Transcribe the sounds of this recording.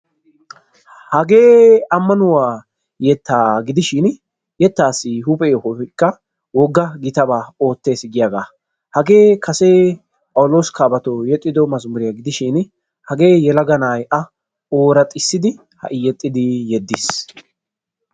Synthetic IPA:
hɐɡe̞ːɐmːɐnʊwaː | jɛt̪ːaːɡɪd̪ɪʃɪn | jɛt̪ːaːsːɪɦʊpʼɛjɔhɔkːɐ | wɔɡːɐɡɪt̪ɐbaːo̞ːt̪ːe̞ːsɪɡɪjaːɡaː | hɐɡe̞ːkʰɐseː | pʼɐwʊlo̞ːskaːbɐt̪ojɛt̪ʼːɪd̪ɔmɐzmʊɾɪjaɡɪd̪ɪʃɪn | hɐɡe̞ːjɛlɐɡɐnaːjʔɐ | o̞ːɾɐt̪ʼɪsːɪd̪ɪ | hɐ̰ʔɪjɛt̪ʼːɪd̪ɪjɛd̪ːɪs

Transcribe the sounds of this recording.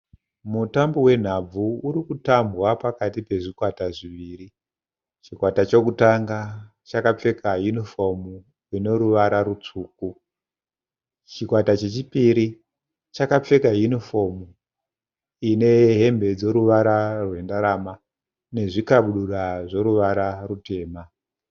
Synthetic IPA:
mutambowe̞n̤ab͡vuuɾikutambwapakatipe̞ʐikwataʐiʋiːri | t͡ʃikwatat͡ʃo̞kutaŋɡa | t͡ʃakap͡fe̞kajunifo̞mu | ino̞ɾuʋaɾaɾut͡ʂuːku | t͡ʃikwatat͡ʃe̞t͡ʃipiɾi | t͡ʃakap͡fe̞kajunifo̞mu | ine̞ɦe̞mbe̞d͡zo̞ɾuʋaɾarwe̞ndaɾama | ne̞ʐikaɓuɗuɗaʐo̞ɾuʋaɾarute̞ːma

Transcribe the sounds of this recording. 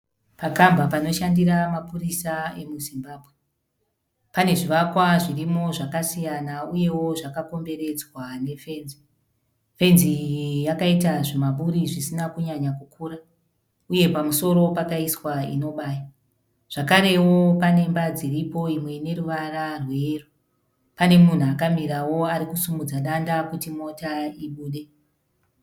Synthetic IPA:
pakambʱapano̞ʃandiɾamapurisae̞muzimbaːbʱwe | pane̞ʐiʋakwaʐirimo̞ʐakasijanauje̞wo̞ʐakako̞mbe̞ɾe̞d͡zwane̞fe̞ːnzi | fe̞nzijakaitaʐemaɓuɾiʐisinakuɲaɲakukʰuːɾa | uje̞pamuso̞ɾo̞pakaiswaḭno̞ɓaːja | ʐ̥akaɾe̞wo̞pane̞mbad͡ziripo̞imwe̞ne̞ɾuʋararwe̞ru | pane̞mun̤uakamiɾawo̞aɾikusumud͡zaɗandakutimo̞taiɓuːɗe̞

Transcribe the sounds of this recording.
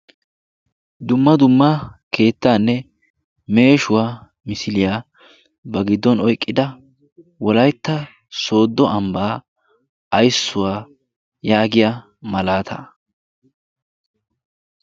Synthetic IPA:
d̪ʊmːɐd̪ʊmːɐke̞ːt̪ːaːnːɛ | me̞ːʃʊwaː | mɪsɪlɪjaː | bɐɡɪd̪ːɔnɔjkʼːɪd̪ɐ | wɔlɐjt̪ːɐ | so̞ːd̪ːɔɐmbaː | ɐjsːʊwaː | jaːɡɪja | mɐlaːt̪ʰɐ̰

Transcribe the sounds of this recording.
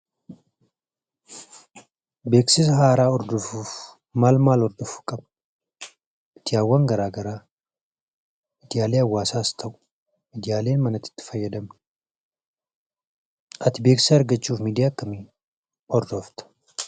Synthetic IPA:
be̞ːksɪs̬ɐɦaːɾaːɔɾd̪ɔfuːf | maːlmaːlɔɾd̪ɔfu̥kʼɐbn | mɪ̥d̪ɪjaːwːɐŋɡɐɾaːɡɐɾaː | mɪd̪ɪjaːleːɐwːaːsaːst̪ʰɐʔʊ̥ | mid̪ɪjaːle̞ːnmɐnɐt̪ɪ̥t̪ːɪ̥fɐjːɐd̪ɐmn | ʔɐt̪ɪbe̞ːksɐɐɾɡɐt͡ʃːuːfmiːd̪ɪjaːkːɐmiː | ɔɾd̪ɔft̪ɐ̥

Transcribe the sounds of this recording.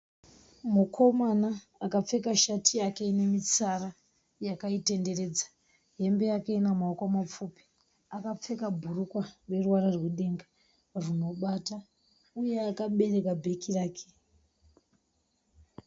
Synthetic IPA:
mukʰo̞manaː | kap͡fe̞kaʃatijakeine̞mit͡sara | jakaite̞nde̞re̞ːd͡zḁ | ɦe̞mbe̞jake̞inamaokwamap͡fupi̥ | akap͡fe̞kabʱurukware̞ruwaɾarweɗe̞ŋɡa | runo̞ɓata | ujeakaɓe̞re̞kabʱe̞kiraːkʰe̥

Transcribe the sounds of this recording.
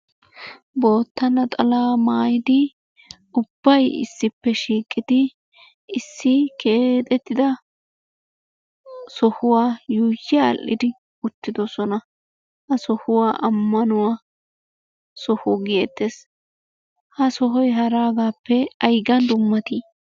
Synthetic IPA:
bo̞ːt̪ːɐnɐt̪ʼɐlaːmaːjɪd̪ɪ | ʊb̥ːɐjɪ̰sːɪpːɛʃiːkʼːɪd̪ɪ | ɪsːɪkeːt̪ʼɛt̪ːɪd̪ɐ | sɔhʊwaːjuːjːɪja̰ːlʔːɪ̰d̪ɪ | ʊt̪ːɪd̪ɔsɔnɐ | hɐsɔhʊwaːʔɐmːɐnʊwaː | sɔhʊɡɪɛt̪ːeːs | hɐsɔɦɔjɦɐɾaːɡaːpːɛɐjɡɐnd̪ʊmːɐt̪iː

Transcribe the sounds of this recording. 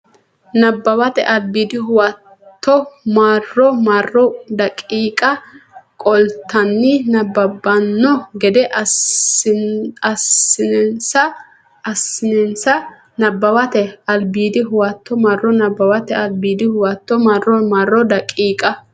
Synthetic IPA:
nɐbːɐwɐt̪ɛʔɐlbiːd̪ɪɦʊwɐ | t̪ːɔmarːɔmarːɔd̪ɐkʼiːkʼɐkʼɔlt̪ːɐnːɪnɐbːɐbːɐnːɔɡɛd̪ɛʔ | ɐsɪsɐː | sɪnɛnsɐ | nɐbːɐwɐt̪ɛɐlbiːd̪ɪɦʊwɐt̪ːɔmɐrːɔnɐbːɐwɐt̪ɛɐlbiːd̪ɪhʊwɐt̪ːɔmɐrɔmarːɔd̪ɐkʼiːkʼɐ

